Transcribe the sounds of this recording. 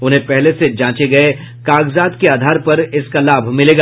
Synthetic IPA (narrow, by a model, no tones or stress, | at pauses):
ʊnɦẽpɛɦlesed͡ʒãːt͡ʃeɡɐe | kaːɡzaːd̪keaːd̪ʱaːɾpɐɾɪskalaːbʱmɪleːɡa